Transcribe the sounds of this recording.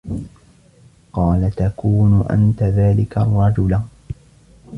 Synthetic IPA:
qɑːlat̪akuːnʊʔa̰nt̪aðaːlɪkarˤːɑd͡ʒʊla

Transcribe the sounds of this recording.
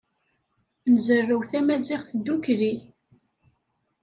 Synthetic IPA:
nəzərːəwθæmæzɪʁθəd̪ːukɾi

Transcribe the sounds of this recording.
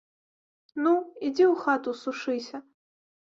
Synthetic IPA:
nuid͡zʲɛuxat̪usuʂɨsʲɐ

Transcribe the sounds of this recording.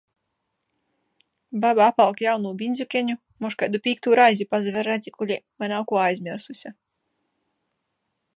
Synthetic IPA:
babaapalˠkjawnuːbinʲzʲukʲɛɲu | mɔʃkajd̪upʲiːk̚t̪uːɾajzʲipazɛvɛɾɛd̪zʲikulʲɛmajnawkuɔajzʲmʲiɾsusʲa

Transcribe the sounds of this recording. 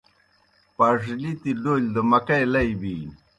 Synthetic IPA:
pɐʐlit̪iɖoːld̪əmɐkɐjlɐibi

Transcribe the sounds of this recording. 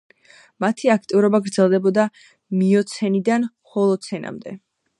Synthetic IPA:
mat̪ʰiak̚ʰt̪ʼivuɾɔbaɡɾd̪zɛlˠd̪ɛbɔd̪a | miɔt̪sʰɛnid̪an | χɔlˠɔt̪sʰɛna̰md̪ɛ̰

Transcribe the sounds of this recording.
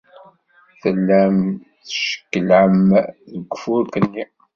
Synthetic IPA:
θəlːæm | θə̥ʃə̥kːəlʕəmðəɡʷːfʊɾkənːi

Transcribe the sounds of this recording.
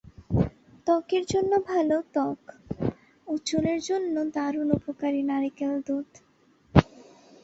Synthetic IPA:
t̪ɔkeɾd͡ʑonːobʱalot̪ɔk | ut͡ɕuleɾd͡ʑonːod̪aɾunupokaɾinaɾikeld̪ud̪

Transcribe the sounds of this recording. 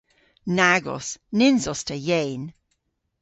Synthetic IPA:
naɡɔ̰snɪnzɔstʰəjejn

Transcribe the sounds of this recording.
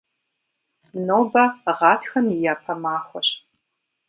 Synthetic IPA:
noːbɐʁɑːtʰxɐmjɪjaːpʰɐmaːχʷɔɕ

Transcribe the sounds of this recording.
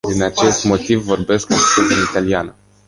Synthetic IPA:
d̪inat͡ʃe̞st̪mo̞t̪ivːo̞rbe̞skost̪ut̪ʲiit̪alianə

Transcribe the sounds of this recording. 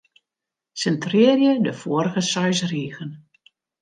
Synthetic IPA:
sɛntrɪːərjədəfoːərɾəɣəsœɥsriːɣən

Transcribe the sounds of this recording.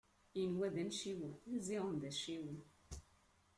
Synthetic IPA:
inwæd̪ænʃiwəziʁənd̪æʃiwən

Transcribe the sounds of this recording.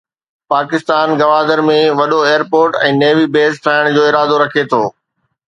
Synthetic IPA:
paːkɪst̪aːnɡɐʋaːd̪əɾmẽʋɐɗoeːjəɾpoːɾʈɛ̃ːneːʋibeːst̪ʰaːɪɽ̃d͡ʑoːɪɾaːd̪oɾɐkʰet̪ʰoː

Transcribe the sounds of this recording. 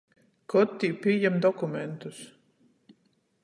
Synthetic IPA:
kɔt̪ːiːpʲijɛmd̪ɔkumɛnt̪us

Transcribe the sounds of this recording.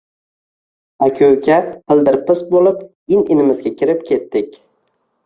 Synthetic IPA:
akʰʲɵwkʲapʰɪlˠd̪ɪɾpɪsbolˠɪp | ɪnɪnɪmɪzɡʲakʲʰɪɾɪp̚kʲʰe̞t̪ːɪkʲ

